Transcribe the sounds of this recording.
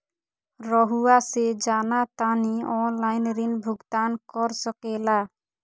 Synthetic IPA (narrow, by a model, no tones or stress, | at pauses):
ɾɔɦuased͡ʒanat̪aniɔnlajnɾinbʱuɡt̪ankɔɾsɔkela